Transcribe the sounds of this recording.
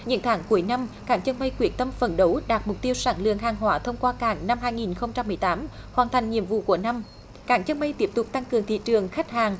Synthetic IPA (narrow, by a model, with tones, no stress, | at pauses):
ɲɨ̰˧˥ŋt̪ʰaː˨˦ŋku˨˦əjna˧mkaː˧˩ŋt͡ɕə˧nɓə˧jkwi˧˩ənt̪ə˧mfə˨˩nɗə˨˦wɗaː˨˩t̚m˨˩k͡p̚t̪i˧əwsaː˧˩ŋlɨ̰˧˨əŋɦaː˨˩ŋɦwaː˧˦t̪ʰə˧wŋ͡mkwaː˧kaː˧˩ŋna˧mhaː˧jŋi˨˩nxə˧wŋ͡mt͡ɕa˧mːɨ˨˩əjt̪aː˨˦m | hwaː˨˩nt̪ʰa˨˩jŋ̟ɲḭ˧˨əmvṵ˧˨ku˧˩əna˧m | kaː˧˩ŋt͡ɕə˧nɓə˧jt̪i˦˥əp̚t̪ʊ˨˩k͡p̚t̪a˧ŋkɨ˨˩əŋt̪ʰḭ˧˨t͡ɕɨ˨˩əŋxa˦˥k̟̚haː˨˩ŋ